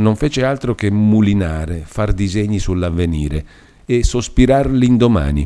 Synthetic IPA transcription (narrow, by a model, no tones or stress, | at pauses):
noɱfeːt͡ʃealt̪ɾokemːulinaːɾefard̪izeɲːisulːavːeniːɾe | esospiɾarliːnd̪oma̰ːnḭ